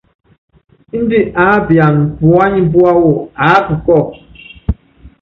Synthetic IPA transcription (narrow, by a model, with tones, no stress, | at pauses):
n̩˦di˦ʔa˨˦bja˨ŋ˨pwa˦ɲi˦bwa˦wo˦˨a˨˦pɨ˨kɔ˦˨